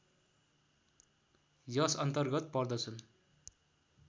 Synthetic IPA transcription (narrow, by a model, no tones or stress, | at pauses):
jʌsʌnt̪ʌrɡʌt̪̚pʌrd̪ʌt͡sʰun